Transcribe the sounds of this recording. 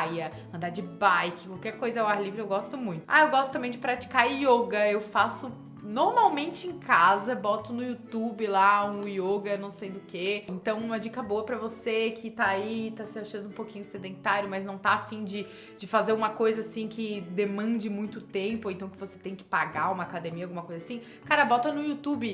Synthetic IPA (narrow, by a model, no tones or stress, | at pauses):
jɐ | ɐ̃nd̪aɾd͡ʒɪbajkɪ̥kwawkɛɾkojzɐɛʊaɾlivɾʊewɡɔst̪ʊmũj̃t̪ʊ̥a̰ewɡɔst̪ʊt̪ɐ̃mbẽj̃d͡ʒɪpɾat͡ʃi̥kaioɡɐewfasʊ | noɾmawmẽnt͡ʃɪẽj̃kazɐbɔt̪ʊnʊut̪ubɪlaũioɡɐnɐ̃w̃sẽj̃d̪ʊkeẽnt̪ɐ̃w̃ũmɐd͡ʒikɐboɐpɾɐvosekʰɪt̪aait̪asɪaʃɐ̃nd̪ʊũpokĩɲʊsed̪ẽnt̪aɾjʊmɐznɐ̃w̃t̪aːfĩd͡ʒɪ | d͡ʒɪfazeɾũmɐkojzɐasĩkɪd̪emɐ̃nd͡ʒɪmũj̃t̪ʊt̪ẽmpʊẽnt̪ɐ̃w̃kɪvose̥t̪ẽj̃kɪ̥paɡaũmɐakad̪emiɐawɡumɐkojzasĩ | kaɾɐbɔt̪ɐnʊiut̪ubɪ